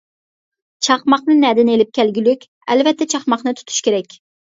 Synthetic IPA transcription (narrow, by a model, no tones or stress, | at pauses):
t͡ʃʰɑχmɑχnɨnɛd̪ɪnelɪp̚kʲʰælɡʲylykʲ | ɛlvɛt̪ːɛt͡ʃʰɑχmɑχnɨt̪ʰu̥t̪ʰu̥ʃkʲeɾɛkʲ